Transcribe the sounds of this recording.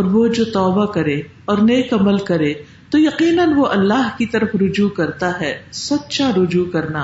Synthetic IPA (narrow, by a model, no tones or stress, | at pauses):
ɔːɾʋod͡ʒoːt̪ɔːbakɐɾeː | ɔːɾneːkɐməlkɐɾeː | t̪ojɐqiːnənʋoʔɐlːaːɦkit̪ɐɾəfɾʊd͡ʒukɐɾt̪aɦɛːsɐt̪ːʃaɾʊd͡ʒukɐɾnaː